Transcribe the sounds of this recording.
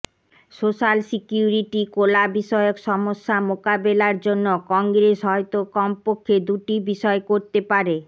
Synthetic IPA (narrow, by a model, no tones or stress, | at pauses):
soʃalsikjuɾiʈikolabiʃɔeokʃɔmoʃːamokabelaɾd͡ʑonːokɔŋɡɾesɦɔet̪okɔmpokʰːed̪uʈibiʃɔekoɾt̪epaɾe